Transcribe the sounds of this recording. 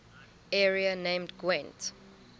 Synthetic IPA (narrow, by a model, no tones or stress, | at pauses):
ɛɹianẽmdɡwɛ̃nt